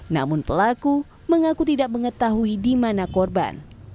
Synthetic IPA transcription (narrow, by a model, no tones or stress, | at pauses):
na̰mʊnpəlaku | məŋakut̪idak̚məŋət̪aɦuidimanakɔrba̰n